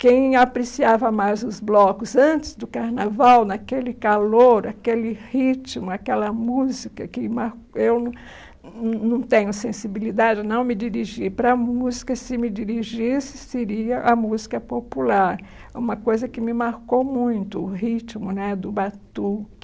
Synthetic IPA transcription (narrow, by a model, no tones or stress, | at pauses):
kẽj̃apɾesiavɐmajzʊzblɔkʊzɐ̃nt͡ʃɪ̥zd̪ʊkaɾnavawnɐkelɪkaloɾakelɪhit͡ʃimʊakɛlɐmuzikɐkɪmaɾkew | nɐ̃w̃t̪ẽɲʊsẽsibilid̪ad͡ʒɪnɐ̃w̃mɪd͡ʒiɾiʒiɾpɾɐmuzikɐsɪmɪd͡ʒiɾiʒisɪ̥seɾiɐʔɐmuzikɐpopulaɾ | ũmɐkojzɐkɪmɪmaɾkowmũj̃t̪ʊːɦit͡ʃimʊnɛd̪ʊbat̪u